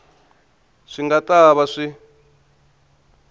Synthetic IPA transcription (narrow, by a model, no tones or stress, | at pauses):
ʂiŋɡataβaʂi